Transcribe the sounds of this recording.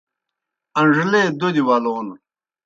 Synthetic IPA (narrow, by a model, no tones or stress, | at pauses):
ɐɳʐled̪od̪iwaloːn